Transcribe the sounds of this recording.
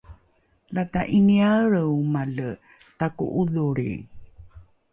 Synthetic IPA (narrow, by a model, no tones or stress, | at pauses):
lataʔiniaɾəwmalə | takṵʔuðuɾḭ